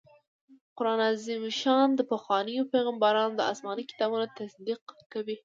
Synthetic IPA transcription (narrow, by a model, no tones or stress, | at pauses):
qʊɾɑnazimʃɑnd̪əpaxwɑnəjopeɣambɑɾɑnod̪əɑ̰smɑnikɪ̥t̪ɑbunot̪asd̪iqkawi